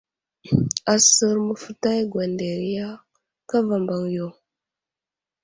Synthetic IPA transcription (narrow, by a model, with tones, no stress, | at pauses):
a˨sə˦ɾmə˨fə˦ta˦jɡwa˨nde˨ɾi˦ja˦ | ka˦va˨mba˨ŋjo˨